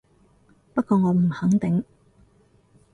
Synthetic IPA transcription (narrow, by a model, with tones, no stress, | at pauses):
pɐ˥kɔː˧ŋɔː˨˧m̩˨˩hɐ˨˥ŋt̪ɪ˨˥ŋ